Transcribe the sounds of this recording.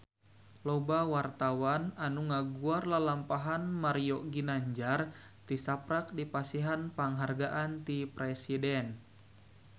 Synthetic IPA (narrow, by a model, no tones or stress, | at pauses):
lɔbawart̪awananuŋaɡuarlalampaɦanmaɾioɡinaɲd͡ʒar | t̪isapɾak̚dipasiɦanpaŋɦarɡaʔant̪ipɾɛsidɛn